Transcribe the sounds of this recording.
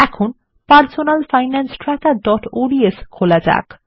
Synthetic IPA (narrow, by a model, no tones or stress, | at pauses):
ɛkʰon | paɾsonalfajnansʈɾakaɖɔʈoɖieskʰolad͡ʑa̰k